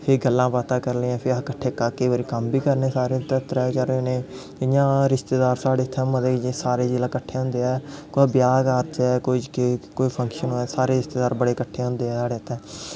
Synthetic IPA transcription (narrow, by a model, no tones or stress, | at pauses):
pʰɪɾɡəlːãːpaːt̪ãːkəɾlːãːpʰɪɾkəʈʰːeːkakeːʋaːɾiːkəmbiːkəɾnẽːsaːɾeːt̪ɛ̃t̪ɾɛːt͡ʃəɾnẽː | ɪjãːɾɪʃt̪eːd̪aːɾsaːɽeːt̪ʰːɛ̃ːməd̪eːd͡ʒsaːɾeːd͡ʒeːlãːkəʈʰːeːɦʊ̃nd̪eːɛːkoːbjaːkaːɾt͡ʃɛːkoikoːiːpʰə̃ŋkʃənoːɛːsaːɾeːɾɪst̪eːd̪aːɾbəɽeːkəʈʰːeːɦʊ̃nd̪eːɛːsaːɽeːt̪ʰːɛ̃ː